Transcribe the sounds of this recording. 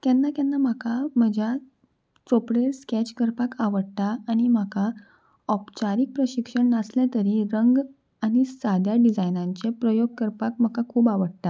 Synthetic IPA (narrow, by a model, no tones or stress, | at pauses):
t̪janːak̪janːam̤akʰam̤əd͡ʑʱja | t͡sopɽeɾskɛt͡ɕkəɾpakaʋəɽt̪aaɽ̃im̤aka | ɔpt͡ɕaɾik̚pɾəɕikʂəɳnaslɛ̃t̪əɾiɾəŋɡ | añisad̪ʱjaɖid͡zajnãɲt͡ɕepɾəjoɡ̚kəɾpak̚m̤əkakʰuːbaʋəɽt̪a